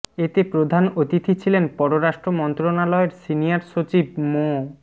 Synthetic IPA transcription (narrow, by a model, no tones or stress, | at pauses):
et̪epɾod̪ʱanot̪it̪ʰit͡ɕʰilenpɔɾoɾaʃʈɾomɔnt̪ɾonalɔeɾsinijaɾʃot͡ɕib̚mo